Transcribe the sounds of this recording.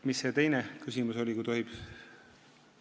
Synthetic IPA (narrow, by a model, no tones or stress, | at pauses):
misːe̞t̪e̞jnekysʲimuso̞lʲikujt̪o̞ɦib̥